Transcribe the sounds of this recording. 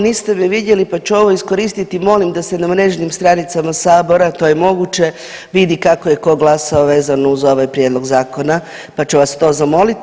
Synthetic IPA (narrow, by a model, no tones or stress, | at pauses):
niːst̪e̞miʋid̪je̞lipat͡ʃuo̞ʋo̞isko̞ɾist̪it̪imo̞limd̪asenamɾe̞ːʒnimst̪ɾanit̪samasaːbo̞ɾat̪o̞ːje̞mo̞ɡut͡ʃe̞ | ʋid̪ikako̞je̞ko̞ɡlˠasaoʋeːzanouzo̞ʋajpɾjed̪lˠo̞ɡzaːko̞na | pat͡ʃuʋast̪o̞ːzamo̞lit̪